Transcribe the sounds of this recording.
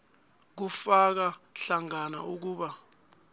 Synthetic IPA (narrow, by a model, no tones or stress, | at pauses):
k̬ufak̬aɬaŋana̰ʔuk̬uːɓa